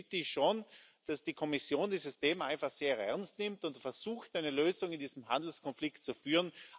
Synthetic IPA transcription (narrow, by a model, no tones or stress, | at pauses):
təɪçʃon | d̥asd̥ikʰɔmɪsjoːndiːzəstʰeːmaɪnfaχseːɐʔɛɐnstnɪmtʊntfɛɐz̥uːxtaɪnəløːzʊŋɪndiːzəmɦa̰ndl̩skʰɔnflɪktt͡sufyːʁən